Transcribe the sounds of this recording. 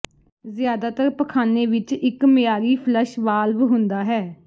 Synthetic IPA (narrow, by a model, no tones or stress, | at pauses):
zɪjaːd̪aːt̪əɾpəkʰaːneːʋɪt͡ʃɪkmɪjaːɾiːpʰlɛʃʋaːlʋɦʊnd̪aːɦɛː